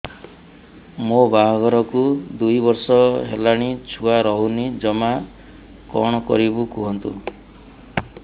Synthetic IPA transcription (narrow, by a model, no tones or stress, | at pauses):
mobaɦɔɡɔɾɔkud̪ujbɔɾsɔɦelaɽ̃it͡ʃʰuaɾɔɦunid͡ʒɔma | kɔ̰ɽ̃ɔkɔ̰ɾibukuɦɔnt̪ṵ